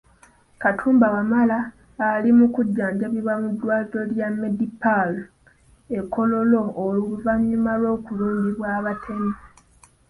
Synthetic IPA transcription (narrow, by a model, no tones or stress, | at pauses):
katʰuːmbawamalaː | limukuɟːaːɲd͡ʒaβiβamudːwaːlilo̞ljamːe̞dipalo | ekːo̞lo̞lo̞ːluuvamɲumalo̞ːkuluːmbiβwaːβatʰe̞mi